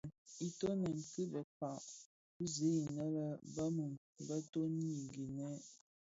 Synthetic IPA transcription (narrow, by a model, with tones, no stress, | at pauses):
i˦to˦nə˨ŋ̩˨kə˦bɛ˨fa˨ʔ | u˦ze˨˦i˨nə˦lə˦bə˦mə˨ŋ | bə˦to˦n˦i˨ŋɡi˨nɛ˦